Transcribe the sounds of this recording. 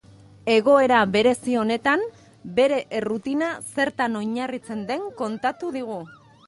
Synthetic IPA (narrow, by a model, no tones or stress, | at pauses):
e̞ɣ̞o̞e̞ɾaβe̞ɾe̞sio̞ne̞t̪am | be̞ɾe̞ʔrut̪inase̞ɾt̪ano̞ɲarit͡se̞nd̪e̞ŋko̞nt̪at̪uðiɣ̞u